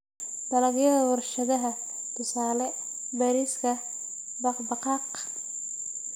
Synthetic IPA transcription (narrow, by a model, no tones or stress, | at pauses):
bɐlɐɡjɐðɐwʊrʃɐðɐɦɐ | t̪ʰʊsaːlɛ | bɐɾiːskʰɐ | bɑqbɑqɑːq